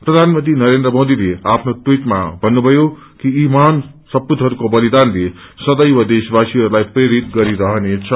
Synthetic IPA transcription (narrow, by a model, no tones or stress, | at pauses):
prʌd̪ʱanmʌnt̪inʌɾend̪rʌmod̪ileapʰnotwiʈma̰bʱʌnːubʱʌjo | kiiman | sʌpːud̪ʱɦʌɾukobʌlid̪anle | sʌd̪ʌjwʌd̪esbasiɦʌɾulajpreɾit̪ɡʌɾiɾʌɦnet͡sʰʌ